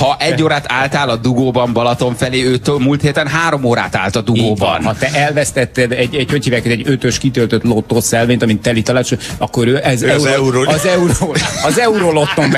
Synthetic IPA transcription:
hɒʔɛɟːoːɾaːt̪aːlt̪aːlɒd̪uɡoːbɒmbɒlɒt̪o̞ɱfɛleːøːt̪omult̪heːt̪ɛnɦaːɾo̞moːɾa̰ːt̪a̰ːlt̪ɒd̪uɡoːbɒ̰nhɒt̪ɛʔɛlvɛst̪ɛt̪ːɛd̪ɛɟːɛchøchiːvɛkːɛt̪ɛɟø̞t̪øʃkit̪ølt̪øt̪lo̞t̪ːoːsɛlveːt̪ɒmit̪ːɛlit̪ɒlaːt͡ʃoɒkːo̞ɾøːʔɛzɛɾɒzɛuɾoːɒzɛuɾoːlo̞t̪ːo̞mb

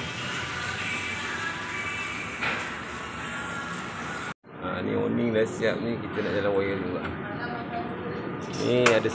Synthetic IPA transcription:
a̰nḭo̰niŋlasiap̚nĩkit̪anaʔd͡ʒalawajəld͡ʒuɡa̰ʔ | niadas

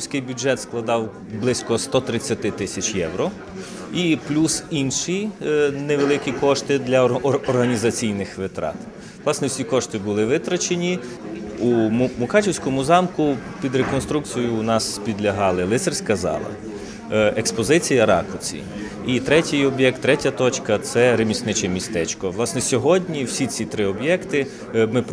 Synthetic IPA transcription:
sʲkɪjbʲʊʒɛt̪sklˠɐd̪ɑw | blˠɪsʲkɔst̪ɔt̪ɾɪt͡sʲːɐt̪ɪt̪ɪsʲɐt͡ʃjɛ̰wɾɔ | iplʲusinʃineʋelˠɪkʲikɔʃt̪ɪd̪lʲɐɔɔrɦɐnʲizɐt͡sʲijnɪxʋɪt̪ɾɑ̰t̪ | ʋlˠɑsnɛwsʲikɔʃt̪ɪbʊlˠɪʋɪt̪ɾɐt͡ʃenʲi | umʊkɑt͡ʃʲiwsʲkɔmʊzɑmkʊpʲid̪ɾekɔnst̪ɾukt͡sʲijʊnɑspʲid̪lʲɐɦɑlˠɪlˠɪt̪serʲsʲkɐzɑ̰lˠɐ̰ | ekspɔzɪt͡sʲijɐɾɑ̰kɔt͡sʲḭ | it̪ɾɛtʲɪjɔbʲjɛk̚t̪ːɾɛtʲɐt̪ɔt͡ʃkɐt̪sɛɾemʲisʲnɪt͡ʃɛmʲist̪ɛt͡ʃkɔʋlˠɑsnɛsʲɔɦɔdʲnʲiwsʲit͡sʲit̪ɾɪɔbjɛkt̪ɪ | mɪp

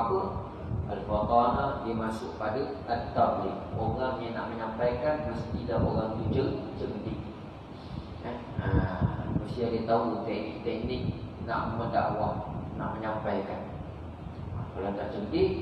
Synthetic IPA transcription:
apən | a̰lfat̪anadiəmasʊʔpadəət̪ːablɪk̚oɣaŋjanaʔməɲampajkanməst̪idaʔoɣaŋdud͡ʒət͡ʃəŋdɪk̚ | ən | əanusiadiət̪aut̪ɛʔnit̪ɛk̚nɪk̚na̰ʔməda̰ʔwahna̰ʔməɲampajkan | kalanaʔt͡ʃəŋdɪʔ̚

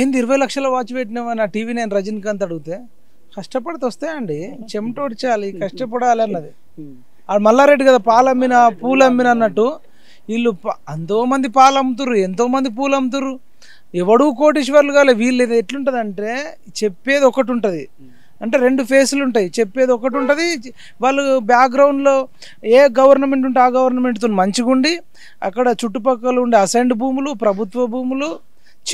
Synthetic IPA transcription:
end̪iɾɐʋɐjlɐkʂɐloːʋaːt͡ʃbeʈ̬inɐʋɐːnaːʈiːʋiːnɐjnɾɐd͡ʒinkɐnt̪ɐɽuɡut̪eː | kɐʂʈɐpɐɽɐt̪ɔst̪ɐːjɐɳɖit͡ʃe̞mʈoːʈit͡ʃaːlikɐʂʈɐp̬ɐɽaːliɐnːɐd̪i | amɐlːaːɾe̞ɖːiɡɐd̪aːpaːlɐmːinɐpuːlɐmːinɐnːɐʈːu | ilːupɐnt̪o̞ːmɐnd̪ipaːlɐmt̪̬uɾuent̪̬o̞ːmɐnd̪ip̬uːlɐmt̪̬uɾu | ɛʋɐɽuːko̞ːʈ̬iʃiʋɐɾluɡaːleʋiːlːeeʈluɳʈɐd̪ɐɳʈe̞ː | t͡ʃe̞pːe̞ːd̪iɔkɐʈuɳʈud̪i | ɐɳʈe̞ːɾe̞ɳɖupʰe̞ːsuluɳʈɐːjit͡ʃepːeːd̪iɔkɐʈ̬uɳʈɐd̪i | ʋaːɭːubjaːkɡɾɐwɳɖlo̞ː | eːɡɐʋɐɾnɐme̞ɳʈuɳʈaːɡɐʋɐɾnɐme̞ɳʈt̪uːnmɐɲt͡ʃiɡuɳɖi | ɐ̰kːɐɽɐt͡ʃuʈːupɐkːɐluɳɖeiɐsɐjɳɖbʱuːmulupɾɐbʱut̪ʋɐbʱuːmulu

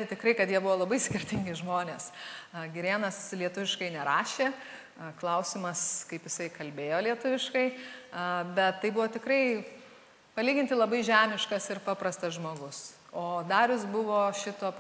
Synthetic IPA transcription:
ɪt̪ʲɪkɾɐɪkɐt̪jiɛbʊʋoːlˠɐbɐɪsʲkʲɪrʲt̪ʲɪŋʲɡʲɪʒmoːnʲeːsɡʲɪɾʲeːnɐslʲiɛt̪ʊʋʲɪʃkɐɪnʲɛɾɑːʃʲeː | klˠɐʊsʲɪmɐskɐɪpjɪsɐɪkɐlʲbʲeːjoːlʲiɛt̪ʊʋʲɪʃkɐɪ | bʲɛt̪t̪ːɐɪbʊʋoːt̪ʲɪkɾɐɪ | pɐlʲiːɡʲɪnt̪ʲɪlˠɐbɐɪʒʲæːmʲɪʃkɐsɪɾpɑːpɾɐst̪ɐsʒmoːɡʊs | oːd̪ɑːɾʲʊsbʊʋoːʃʲɪt̪oːp

